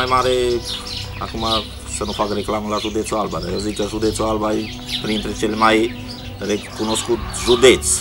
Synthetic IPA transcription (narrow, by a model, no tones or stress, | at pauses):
ajmaːɾe | a̰kʰuma | sɐnupʰaɡɾeklaːmulasud̪et͡sʰuaːlbaɾeozikɐsud̪et͡sʰuaːlbai | pɾĩnt̪ɾet͡ʃelmai | t̪ɐɾekpunoskuzud̪et͡s